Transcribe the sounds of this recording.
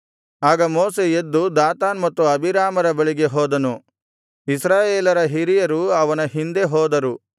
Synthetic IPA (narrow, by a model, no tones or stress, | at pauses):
aːɡɐmoːseed̪ːud̪aːt̪aːnmɐt̪ːuɐbʱiɾaːmɐɾɐbɐɭiɡe̞ɦɔːd̪ɐnu | isɾaːjeːlɐɾɐɦiɾijɐɾuɐʋɐnɐɦind̪e̞ɦɔːd̪ɐɾu